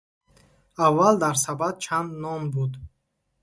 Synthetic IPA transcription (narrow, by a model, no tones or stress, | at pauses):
avːald̪aɾsabad̪̚t͡ʃʰand̪nɔmbud̪